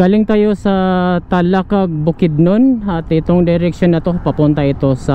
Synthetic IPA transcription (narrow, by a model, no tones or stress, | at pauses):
ɡaːlɪŋt̪aːjosɐt̪alakaɡ̚bʊkɪd̪̚nonɐt̪ɪt̪oŋd̪ɛɾɛk̚ʃonːɐt̪opɐpʊnt̪ɐɪt̪o̞sɐ